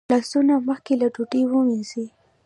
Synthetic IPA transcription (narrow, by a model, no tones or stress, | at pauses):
lɑsunaməxkelaʈuʈewəwinzi